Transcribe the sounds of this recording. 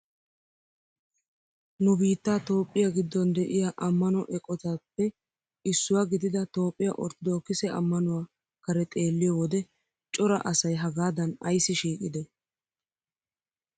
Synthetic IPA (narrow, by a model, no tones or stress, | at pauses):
nʊbiːt̪ːaːt̪o̞ːpʼːɪjaɡɪd̪ːɔnd̪ɛʔɪjaʔɐmːɐnɔʔɛkʼɔt̪ɐpːɛ | ɪsːʊwaːɡɪd̪ɪd̪ɐt̪o̞ːpʼːɪja̰ʔɔɾt̪ɪd̪oːkːɪsɛʔɐ̰mːɐnʊwaː | kɐɾɛt̪ʼe̞ːlːɪjɔwɔd̪ɛ | t͡ʃʼɔɾɐ̰ʔɐsɐjɦɐɡaːd̪ɐnɐjsːɪʃiːkʼɪd̪ɛ